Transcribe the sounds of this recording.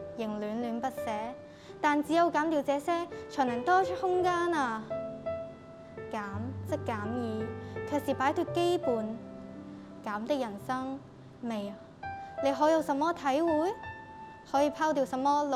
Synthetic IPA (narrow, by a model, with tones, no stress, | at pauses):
jɪ˨˩ŋlyː˨˧nlyː˨˧npɐ˥t̚sɛː˨˥ | t̪aː˨nt͡siː˨˥jɐ˨˧wkaː˨˥mt̪iː˧wt͡sɛː˨˥sɛː˥t͡ʃʰːnlɐ˨˩ŋt̪ɔː˥t͡ʃʰt̚hʊ˥ŋkaː˥na˧ | kaː˨˥mt͡sɐ˥kkːaː˨˥mjiː˨˧kʰe˨siː˨˩paː˨˥jt̪ɵ˧ke˥jpuː˨n | kaː˨˥mt̪ɪ˥k̚jɐ˨˩nsɐ˥ŋ | me˨ja˨ | le˨˧jɦɔː˨˥jɐ˨˧wsɐ˨˥mːɔː˥t̪ʰɐ˨˥jwuː˨˥j | hɔː˨˥jiː˧pʰaː˥wt̪̬iː˨˧wsɐ˨˥mːɔː˥l